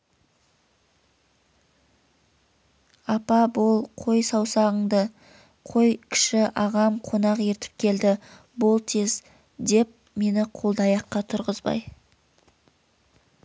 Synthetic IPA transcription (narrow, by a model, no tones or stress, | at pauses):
ɑpɑbolˠqʰo̞jsɑwsɑʁəɴd̪ə | qʰo̞jkʲʰɪ̥ʃɪʔɑʁɑmqʰo̞nɑqe̞ɾt̪ɪ̥p̚kʲʰe̞ld̪ɪ | bʊlˠt̪ʰe̞z | d̪e̞p̚ | me̞nɪqʰo̞lˠd̪ɑjɑqːɑt̪ʰʊɾʁəzbɑ̰j